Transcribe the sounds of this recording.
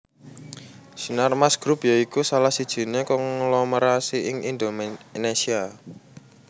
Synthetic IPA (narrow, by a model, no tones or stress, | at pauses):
sinarmasɡ̥ɾupjaikusalahsid̥ʒ̥i̤nekɔŋlɔməɾasiɪŋind̪omnesia